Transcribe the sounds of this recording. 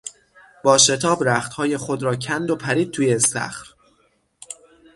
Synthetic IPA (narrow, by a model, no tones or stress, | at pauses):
b̥ɒːʃe̞t̪ʰɒːbɾæxt̪hɒːje̞xo̞d̪ɾɒːcʰænd̪o̞pʰæɾiːd̪̚t̪ʰuːjesæ̰xɾ